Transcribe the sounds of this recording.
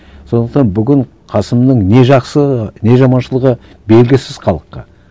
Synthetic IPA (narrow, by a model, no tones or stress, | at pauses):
so̞nd̪əqt̪ɑnbʏɡʲɪɴ | qʰɑsəmnəɴne̞ʒɑqsəne̞ʒɑmɑnʃəlˠəʁə | be̞lɡʲɪsɪz̥χɑlˠəqːɑ̰